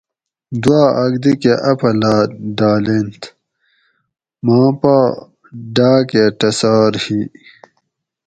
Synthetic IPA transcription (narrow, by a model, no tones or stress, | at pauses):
d̪waːɐɡd̪ikeʔɐpʰɐlaːɖaːlent̪ʰ | mãːpaː | ɖaːkeʈɐsaːɾhi